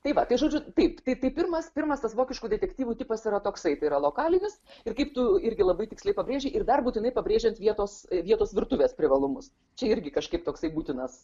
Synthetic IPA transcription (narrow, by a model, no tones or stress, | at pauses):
t̪ɐɪʋɐt̪ɐɪʒoːd͡ʒʲʊt̪ɐɪpt̪ɐɪt̪ɐɪpʲɪɾmɐspʲɪrmɐst̪ɐsʋoːkʲɪʃkuːdʲɛt̪ʲɛkt̪ʲiːʋuːt̪ʲɪpɐsɪɾɐt̪oːksɐɪt̪ɐɪɾɐlˠoːkɑːlʲɪnʲɪsɪrkɐɪpt̪ʊɪɾʲɡʲɪlˠɐbɐɪt̪ʲɪksʲlʲɛɪpɐbʲɾʲeːʒʲɛɪʔɪrd̪ɐrbuːtʲɪnɐɪpɐbʲɾʲeːʒʲɛnt̪ʋʲiɛt̪oːsʋʲiɛt̪oːsʋʲɪɾt̪ʊʋʲeːspʲɾʲɪʋɐlˠʊmʊs | t͡ʃʲɛɪɾʲɡʲɪkɐʃkɐɪp̚t̪oːksɐɪbuːt̪ʲɪnɐs